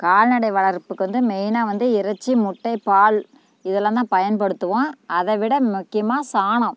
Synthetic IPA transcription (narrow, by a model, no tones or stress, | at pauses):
kaːɻnɐɽɐɪʋɐɭɐɾpːɯkːɯʋɐnd̪ɯmɛjnaːʋɐnd̪ɯɪɾɐt͡ʃːimʊʈːɐɪpaːɭ | ɪðɛlːaːnd̪ãːpɐjɐnpɐɽɯt̪ːɯʋõːɐðɐʋɪɽɐmʊkːɪjɐmaːsaːɳɐ̃